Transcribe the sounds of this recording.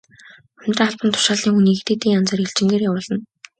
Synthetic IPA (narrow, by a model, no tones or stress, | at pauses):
œmʲnʲt̪raɮpə̆nt̪ʰʊ̥ʃaːɮiːŋxuniːɣt̪eːt̪iːŋant͡săːreɬt͡ɕɪ̆ŋɡeːrjawʊːɮə̆n